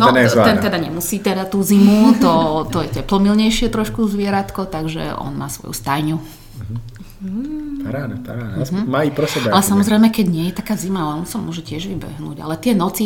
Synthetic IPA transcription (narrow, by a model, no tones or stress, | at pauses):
nɔnɛnt̪ɛd̪aɲɛmusiːt̪ɛd̪at̪uːzimut̪ɔt̪ɔjɛcɛplɔmilɲɛjʃɪɛt̪ɾɔʃkuzʋɪɛɾat̪kɔt̪aɡʒɛ̰ʔɔ̰nmaːsʋɔ̰jṵst̪ajɲu | paɾaːnapaɾaːnɦ̩maːipɾɛsɛbaalɛsamɔzɾɛjmɛkɛɟɲɪɛjɛt̪akaːzimaalɛɔnsamʊɔʒɛcɪɛʒʋibɛ̰ɦnṵːɟa̰lɛt̪ɪɛnɔt͡si